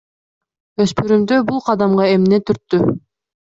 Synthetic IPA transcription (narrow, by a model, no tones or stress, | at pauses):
øspyɾymd̪øbulˠqʰɑd̪ɑmʁɑemnet̪yɾt̪ːy